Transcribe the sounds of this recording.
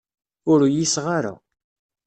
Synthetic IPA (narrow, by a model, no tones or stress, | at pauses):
ʊɾjisʁaɾa̰